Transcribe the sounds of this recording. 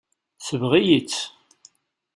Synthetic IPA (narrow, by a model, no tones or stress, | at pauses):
səvʁijit͡sː